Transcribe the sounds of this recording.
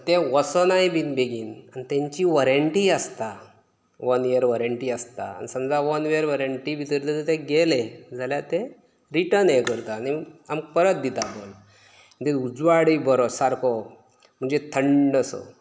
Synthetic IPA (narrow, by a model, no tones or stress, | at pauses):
t̪eʋəsənaibinbeɡiːnanit̪ẽɲt͡ɕiʋəɾəɳʈiəst̪a | ʋənʋiəɾʋəɾəɳʈiəst̪a̰a̰nisəmd͡zaʋənʋeəɾʋəɾəɳʈiʋit̪əɾt̪ət̪t̪eɡeled͡zʱaljat̪e | ɾiʈəɾnẽkəɾt̪aːniamk̚pəɾət̪̚d̪it̪abol | d̪eud͡zʋaɽibəɾɔsaɾkɔ | m̤əɳd͡ʑet̪ʰəɳɖəsɔ̰